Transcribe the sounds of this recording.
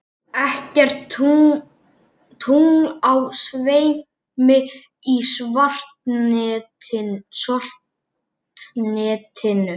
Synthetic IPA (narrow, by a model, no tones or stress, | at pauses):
ɛhcɛr̥t̪u | t̪ʰuŋawsveːj | mɪ | isvar̥t̪ː | ɪsɔr̥t | nɪt̪ʰɪnʏ